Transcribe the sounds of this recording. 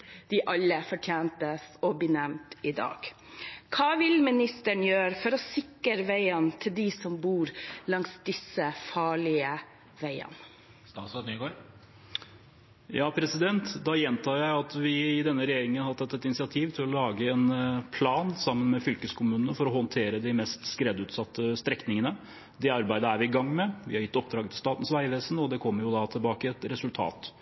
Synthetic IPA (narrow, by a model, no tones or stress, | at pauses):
d̪̥ɪʔɑlːəfɔʈʰjæːnt̪əsɔbɪnɛmt̪ɪd̪ɑ̰ːɡ̥ | kʰɑːʋɪlmɪnɪst̪əɳjøːɾəfɔɾɔsɪkəɾəʋæɪənt̪ʰɪld̪ɪsɔmbuːɾlɑŋsd̪ɪsəfɑːɭɪə | ʋæɪə̰n | st̪ɑ̰ːt̪sɔnyːɡoːɾ | jɑːpʰɾɛsɪd̪ɛnt̪d̪ɑjɛnt̪ʰɑːjæɪɑt̪ʋɪɪd̪ɛnːəɾɛjeːɾɪŋənhɑt̪ʰːɑt̪ːɛt̪ɪnɪsɪɑt̪ʰiːʋt̪ʰɪlɔlɑːɡəɛnpʰlɑːnsɑmːənmɛfʏlkəskʰʊmʉːnənəfɔɾɔɦɔnt̪ʰeːɾəd̪ɪmɛst̪skɾɛd̪ʉːt̪sɑt̪ːəst̪ɾɛknɪŋənə | d̪ɛɑɾbæɪd̪əæɾʋɪɪɡɑŋːmɛʋɪhɑɾjɪt̪ːɔp̚d̪ɾɑːɡət̪ɪlst̪ɑːt̪n̩sʋæɪʋeːsənɔd̪ɛkʰɔmːəɾjʊd̪ɑt̪ʰɪlbɑːkəɛt̪ɾɛsʉlt̪ʰɑ̰ːt̪